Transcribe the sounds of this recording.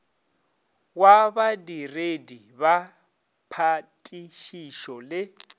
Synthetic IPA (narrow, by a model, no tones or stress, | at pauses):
waβadiredi | βa | pʰatʼiʃiʃɔlɪ